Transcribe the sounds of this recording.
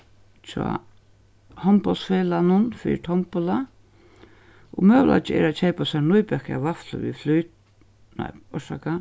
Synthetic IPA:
t͡ʃɔ̰ | hɔmpɔlt̪sfeːlanʊnfɪ̰t̪ʰɔmpʊla | ɔɣmœːʋlʔa̰t͡ʃɪɛ̰ɾat͡ʃʰejpasanujpɛka̰vafllə̰ʋḭflujt̪ | na̰ɔʃa̰ka

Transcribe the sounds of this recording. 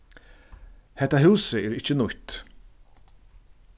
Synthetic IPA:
hɛt̪ːaɦʉːsəɛɾɪt͡ʃːənʊht̪

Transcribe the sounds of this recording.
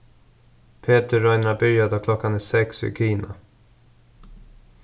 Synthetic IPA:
pʰeːt̪əɾajnɾabyːjad̪ɔkʰlɔkːanɛsɛksɪ̰kʰiːna

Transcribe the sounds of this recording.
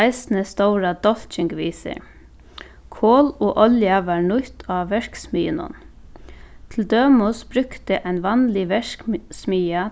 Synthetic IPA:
ɪsnəst̪oʊɾad̪ɔl̥t͡ʃɪŋkʋiːsɪ̰ɾ | kʰoːloːʔɔljaʋɑːɹnʊt̪ʰaːʋɛɹksmiːɪnʊ̰n | t̪ʰɪld̪øːmʊsbɾʏkt̪ɪʔaɪnʋɑnlɪʋɛɹksmiːa

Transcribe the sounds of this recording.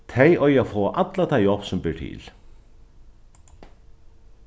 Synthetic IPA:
t̪ʰejʔɔɥjafɔːʔat̪lat̪ʰajɔhpsʊmpɪɹt̪ʰɪ̰l̥

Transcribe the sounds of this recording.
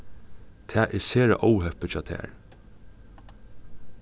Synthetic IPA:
t̪ʰæːʔɛɹseːɹa̰ʔɔːwɦɛpət͡ɕʰɑːt̪ʰæ̰ːɹ

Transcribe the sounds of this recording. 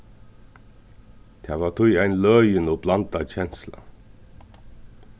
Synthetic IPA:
t̪ʰæːʋaːt̪ʰʊjæɪnlœːjənoblant̪at͡ɕɛnsla̰

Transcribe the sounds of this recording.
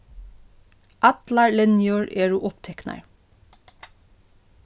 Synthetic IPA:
ʔɑt̪lɑɹlɛnjuːɹeːɹuʔɔpt̪ʰɛknɑ̰ɹ

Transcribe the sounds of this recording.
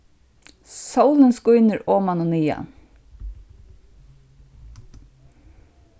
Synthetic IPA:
sawlənskʊjnəɾoːmanʊniːa̰

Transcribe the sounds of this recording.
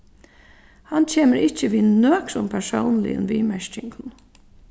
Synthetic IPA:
hant͡ʃʰeːməɾɪt͡ʃəʋiːnøːkɾʊmpʰɛɹʂoʊnlɪ̰ə̰nʋiːmæʃt͡ʃɪŋkʰʊn

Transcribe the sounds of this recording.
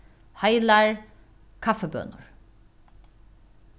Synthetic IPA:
hajlaɹ | kʰafɛbø̰ːnʊ̰ɹ

